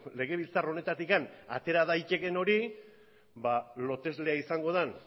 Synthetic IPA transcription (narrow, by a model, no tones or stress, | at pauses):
le̞ɣ̞e̞β̞ilt͡saro̞ne̞t̪at̪ikana̰t̪e̞ɾaðajt͡ʃe̞ɣe̞no̞ɾi | balo̞t̪e̞zle̞aisaŋɡo̞ð̞an